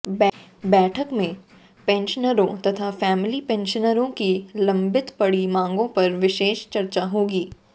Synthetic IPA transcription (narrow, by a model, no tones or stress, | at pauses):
bɛbɛːʈʰəkmẽ | pɛ̃nʃənəɾõt̪ɐt̪ʰafɛːmɪlipɛ̃nʃənəɾõkilɐ̃mbɪt̪pɐɽimãːŋɡõpɐɾʋɪʃeːʃt͡ʃɐɾt͡ʃaɦoːɡiː